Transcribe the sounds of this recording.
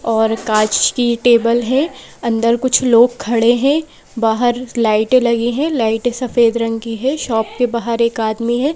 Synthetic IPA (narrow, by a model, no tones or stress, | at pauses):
ɔːɾkaːt͡ʃkiʈeːbəlɦɛ̃ | ɐ̃nd̪əɾkʊt͡ʃʰloːɡ̚kʰːɐɽeɦɛ̃ː | baːɦəɾlaːɪʈelɐɡiɦɛ̃laːɪʈesɐfeːd̪ɾɐ̃ŋɡkiɦɛʃɔːp̚kebaːɦəɾeːkaːd̪miɦɛː